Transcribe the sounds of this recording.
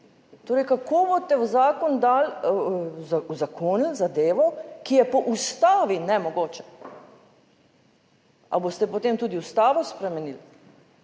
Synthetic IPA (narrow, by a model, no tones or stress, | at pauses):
t̪oːɾəjkakoːbot̪ɛzaːkɔnd̪aːl | zauzakoːnilzad̪eːʋɔkijɛpɔʔust̪aːʋinɛmɔɡoːt͡ʃɛ̥ | ʔa̰boːst̪ɛpɔt̪eːmt̪uːd̪iust̪aːʋɔspɾɛmɛniːl